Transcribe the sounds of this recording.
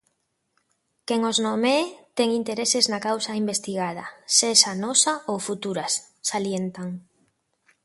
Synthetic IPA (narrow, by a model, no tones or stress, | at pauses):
keŋoznomet̪ɛŋint̪eɾeseznakawsaimbest̪iɣað̞ɐseʃanɔsaowfut̪uɾasː | aljent̪aŋ